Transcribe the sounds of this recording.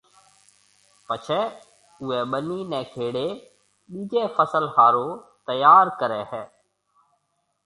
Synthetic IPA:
pət͡ʃʰɛː | ʊɛːɓəniːnɛ̃ːkʰeːɽeː | ɓiːd͡ʒeːfəsəlhaːɾoːt̪əjaːɾkəɾɛːɦɛː

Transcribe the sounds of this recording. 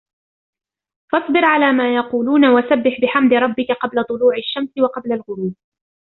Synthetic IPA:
fɑsˤbɨɾʕalaːmaːjɑquːluːnawasabːɪħbɪħamd̪ɪɾˤɑbːɪkaqɑblat̪ˤʊluːʕaʃːamsɪwɑqɑblalɣʊɾuːb

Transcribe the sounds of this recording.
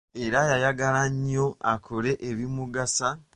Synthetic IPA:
e̞ɾajajaɡalaɲːoakʰole̞ʔeβimuɡasa

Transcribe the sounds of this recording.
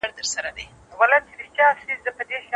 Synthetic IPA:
aɽt̪əɾsaɾad̪e | walat͡ʃɪɾit͡ʃɑsizəpəd̪eʃ

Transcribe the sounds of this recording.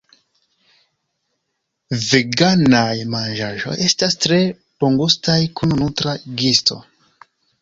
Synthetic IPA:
veɡanajmand͡ʒaʒo̞̰je̞stastɾe̞ | poŋɡustajkununutɾaɡisto̞̰

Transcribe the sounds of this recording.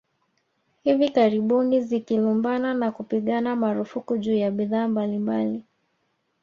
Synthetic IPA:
hivikaɾiɓunizikilumbananakupiɠanamaɾufukuʄuːjaɓiðaːmbalimbali

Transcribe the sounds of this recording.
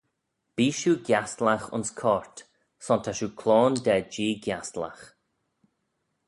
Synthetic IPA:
b̥iːʃuːɡjast̪laxʊ̰nskʰɔɹt̪ | sɔnt̪ʰaʃuːkʰloːnd̪ɛd͡ʒiːɡjast̪la̰x

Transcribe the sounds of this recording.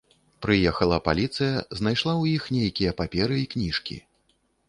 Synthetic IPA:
pɾɨjɛxɐlˠɐpalʲit̪sɨjɐznajʂlˠawjixnʲejkʲijɐpapʲɛɾɨiknʲiʂkʲḭ

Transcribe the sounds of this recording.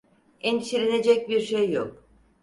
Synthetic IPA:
ɛnʃiɾʲened͡ʒɛc̚biɾʃejːok̚

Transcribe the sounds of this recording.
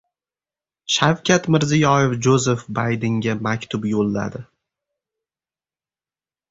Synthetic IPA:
ʃawkʲʰat̪mɪɾzɪjɒjefd͡ʒozefbajd̪ɪŋɡʲamakʲt̪ʰʊpjolːa̰d̪ɪ

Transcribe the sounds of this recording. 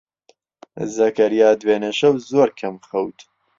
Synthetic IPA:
zɐkɐɾjaːd̪weːnɐʃɐwzoːɾkʰɐmxɐwt̪ʰ

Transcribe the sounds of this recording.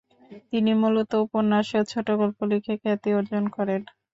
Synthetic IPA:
t̪inimulot̪oupoɾnaʃet͡ɕʰoʈoɡolpolikʰekʰɛt̪ioɾd͡ʑonkɔɾen

